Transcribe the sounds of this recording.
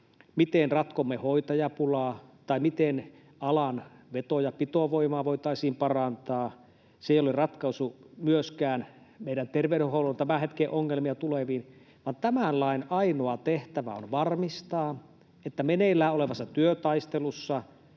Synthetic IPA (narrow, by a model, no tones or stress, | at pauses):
mit̪enrɑt̪komːehoit̪ɑjɑpulɑːt̪ɑimit̪en | ɑlɑnʋet̪ojɑpit̪oʋoimɑːʋoit̪ɑisiːmpɑrɑnt̪ɑː | seˑijolerɑt̪kɑusumyøskæːn | meˑiɾænt̪erʋeɾyhoulont̪æmæhet̪keːʔoŋːelmiɑt̪uleʋiːn | ʋɑnt̪æmænlɑinɑinoɑt̪eht̪æʋæ̰o̰nʋɑrmist̪ɑː | et̪ːæmenelːæːoleʋɑsːɑt̪yøt̪ɑist̪elusːɑ